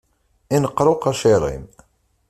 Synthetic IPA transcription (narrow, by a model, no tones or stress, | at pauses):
inəqːɾˤoqæʃeɾˤḭm